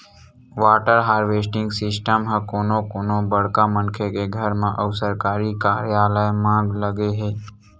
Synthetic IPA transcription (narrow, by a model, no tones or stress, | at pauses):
ʋaːʈəɾɦaːɾʋeːsʈɪ̃ŋɡsɪsʈəmɦəkoːnokoːnobəɽ̤kamə̃ŋkʰekeɡʱəɾmẽʔəʊsəɾkaːɾikaːɾjaːləemãːŋɡləɡeɦeː